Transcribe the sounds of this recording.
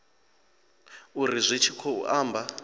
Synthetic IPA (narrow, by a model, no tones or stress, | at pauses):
urizʷit͡ʃʰikʰɔṵʔaːmbʱa